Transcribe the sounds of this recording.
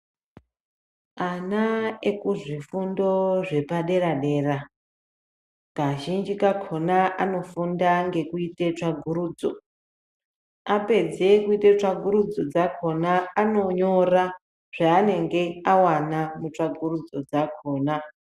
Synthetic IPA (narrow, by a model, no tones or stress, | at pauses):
anaekuʐifundo̞ʐe̞paɗe̞ɾaɗe̞ːra | ɡ̥aʒind͡ʒikakʰo̞naʔano̞fundaŋɡe̞kuitet͡ʂaɡʱuɾuːd͡zo̰ | ape̞d͡ze̞kuitet͡ʂaɡʱuɾud͡zo̞d͡zakʰo̞naːno̞ɲo̞ra | ʐ̥aːne̞ŋɡe̞awanamut͡ʂaɡʱurud͡zo̞d͡zakʰo̞ːna